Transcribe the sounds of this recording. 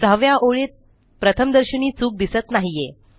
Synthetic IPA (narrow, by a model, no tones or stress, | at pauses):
d̪ʱəʋjaʔoɭet̪̚ | pɾət̪ʰəmd̪əɾɕəɳiːt͡suːk̚d̪isət̪naɦije